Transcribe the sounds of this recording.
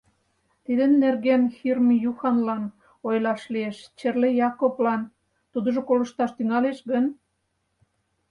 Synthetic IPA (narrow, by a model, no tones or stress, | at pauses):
t̪id̪ə̆nːerɣenxirmjuxɑnlɑn | ojlɑʃlieʃt͡ɕerlejɑkoplɑn | t̪ud̪ə̆ʒokolə̆ʃt̪ɑʃt̪yŋɑleʃɡən